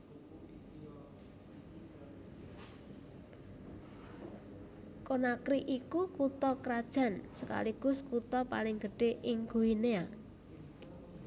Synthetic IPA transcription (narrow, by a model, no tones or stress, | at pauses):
konakɾiʔikukut̪ɔkəɾad̥ʒ̥a̤nsəka̰liɡ̥ʊ̤skut̪ɔpalɪŋɡ̥əɖ̥e̤ʔɪŋɡ̥ṳɦinea